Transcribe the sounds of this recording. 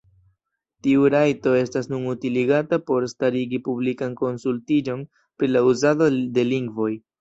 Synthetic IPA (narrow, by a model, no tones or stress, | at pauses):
tiuɾajto̞e̞stasnunutiliɡatapo̞ɾstaɾiɡipublikanko̞nsultid͡ʒo̞n | pɾilauzado̞de̞liŋɡvo̞j